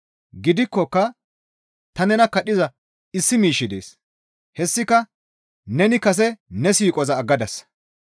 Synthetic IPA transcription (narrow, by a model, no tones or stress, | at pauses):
ɡɪd̪ɪkːɔkːɐ | t̪ɐnɛnɐkɐɗɪzɐ | ɪsːɪmiːʃːɪd̪ḛːs | hɛsːɪkɐ | nɛnɪkɐs̬ɛnɛsiːkʼɔzɐːɡːɐd̪ɐs